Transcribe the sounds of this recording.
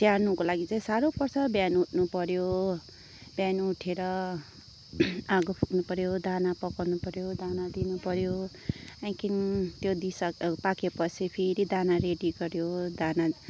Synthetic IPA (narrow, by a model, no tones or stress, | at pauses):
t̪jarnukolaɡit͡saĩsaɾopʌrsʌbjanuʈʰnupʌɾjo | b̥januuʈʰeɾʌ | aɡopʰuknupʌɾjod̪ʱanapʌkʌrnupʌɾjod̪anad̪inupʌɾjo | ãkint̪jod̪isʌkpakʰepʌsipʰeɾid̪anaɾeɖiɡʌɾjod̪ana